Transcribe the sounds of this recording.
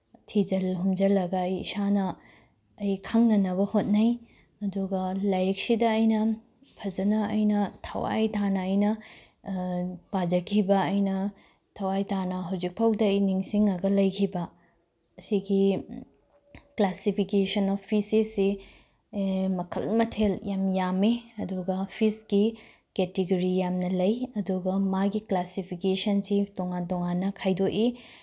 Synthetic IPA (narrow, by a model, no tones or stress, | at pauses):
tʰid͡ʒɐlɦumd͡ʒɐlɐɡɐːjḭsanɐː | jkʰɐŋnɐnɐβɐhot̚nɐj | ɐduɡɐlɐjɾik̚sidɐːjnɐ | pʰɐd͡ʒɐnɐɐjnɐtʰɐ̰wa̰jtʰanɐːjnɐ | pad͡ʒɐkʰibɐːjnɐ | tʰɐwajtanɐɦɐwd͡ʒik̚pʰawdɐːjniŋsiŋɐɡɐlɐjkʰibɐ | ɐsiɡi | klasipʰikesɐnopʰisesːi | mɐkʰɐ̰lmɐtʰeljamjameɐduɡɐpʰisɡi | ketiɡoɾijamnɐlɐjɐduɡɐmaɡiklasipʰikesɐnsitoŋantoŋanːɐkʰajdoʔi